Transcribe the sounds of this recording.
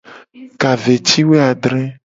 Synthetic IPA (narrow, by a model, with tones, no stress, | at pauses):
ka˨ve˨t͡ɕi˦we˦a˨ɖɾɛ̃˦